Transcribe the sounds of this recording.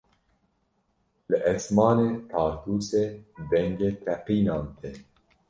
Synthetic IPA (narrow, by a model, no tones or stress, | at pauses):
lɨʔɛsmɑːneːt̪ʰɑːɾt̪uːseːbɛŋɡeːt̪ʰɛqiːnɑːnt̪ʰe